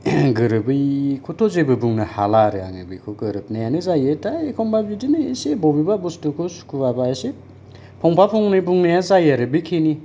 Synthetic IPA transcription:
ɡɯɾɯbɯjkʰutʰɔzebɯbuŋnɯhalaɾɯa̰ŋɯbikʰoɡɯɾɯp̚najanɯzajɯtaekʰɔmbabidinɯesebɔbibabustɯkʰosu̥kʰuabaese | pʰɔŋpʰapʰɔŋnɯbuŋnajazajaɾɯbɯjkʰeni

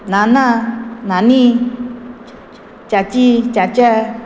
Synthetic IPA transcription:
nananani | t͡ɕat͡ɕit͡ɕat͡ɕa

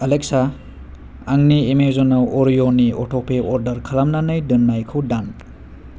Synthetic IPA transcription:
ɐlek̚sa | aŋniemeɾzɔnawʔoɾjoniɔʈʰopʰeʔɔɾdɐɾkʰɐlamnanɯjdɯnːajkʰɯwdan

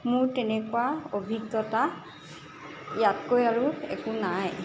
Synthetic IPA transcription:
mʊɹtɛnɛkuaobʱikːɔta | jatkojaɹuɛ̰kunaj

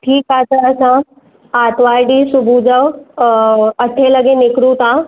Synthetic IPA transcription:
ʈʰiːkataəsã | aːt̪ʋaːɾɖisubʱud͡ʒəʋ | ɐʈʰːelɐɡenɪkɾut̪ã

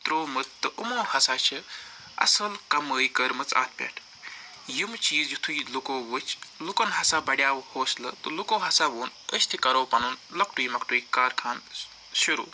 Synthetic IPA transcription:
t̪ɾoːmɨt̪ːɨʔumoːhɐsaːt͡ʃʰi | ɐ̰sɐlkɐməːjkəɾmɨt͡sa̰ːt̪̚ʰpʲa̰ːʈʰ | jimt͡ʃiːzd͡ʒit̪ʰuilukoːʋɨt͡ʃlukɐnɦɐsaːbɐɽʲjaːʋhoːslɨ̰t̪ɨlukoːɦɐsaːʋoːn | əst̪ʰikɐɾoːpɐnunlɐk̚ʈujmɐkʈuikaːɾkʰaːn | siɾṵː

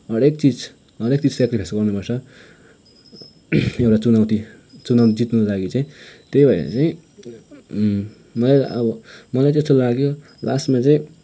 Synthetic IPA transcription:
ʌɽek̚t͡sid͡z | ʌɾekt͡sid͡zsekɾibʰʱesɡʌrnubʱʌsʰʌ | ewʈat͡sunawt̪i | t͡sunawt̪id͡zit̪nʌlaɡit͡saĩt̪ejbʱʌjnḛt͡saĩ | mʌlajʌ̰bʌmʌlajtest̪olaɡjo | la̰smat͡saĩ

